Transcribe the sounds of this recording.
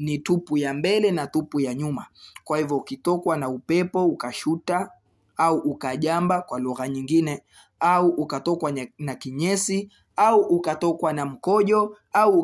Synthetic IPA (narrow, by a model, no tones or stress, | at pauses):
nitupujambɛlɛnatupujaɲumakwahivjɔukitɔkwanaupɛpɔukaʃuta | auʔːkaʄambakwaluɣaɲiŋɡinɛ | auʔukatɔkwanakiɲɛsi | auʔukatɔkwanam̩kɔʄɔ | au